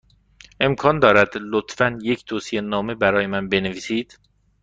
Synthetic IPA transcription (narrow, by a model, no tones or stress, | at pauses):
ʔe̞mkʰɒːnd̪ɒːɾæd̪lot̪fænje̞cʰt̪ʰoːsijenɒːme̞bæɾɒːjemænbe̞neviːsiːd̪̥